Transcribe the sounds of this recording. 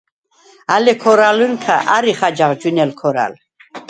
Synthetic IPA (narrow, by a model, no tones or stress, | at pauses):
alɛkʰɔɾalunkʰaʔaɾiχad͡ʒaʁd͡ʒunɛlkʰɔɾa̰l